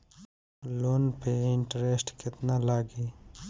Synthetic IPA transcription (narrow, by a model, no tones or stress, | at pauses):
loːnpeɪɳʈɾesʈkɪt̪nalaːɡi